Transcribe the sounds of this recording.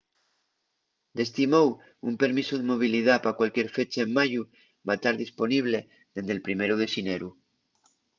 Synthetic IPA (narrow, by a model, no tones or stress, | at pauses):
d̪e̞s̬t̪imow | umpe̞ɾmisuð̞emo̞β̞ilið̞apakwalkjeɾfe̞t͡ʃaemːaʝu | βat̪aɾðispo̞niβ̞le̞ | ðend̪elpɾime̞ɾuð̞e̞sineɾu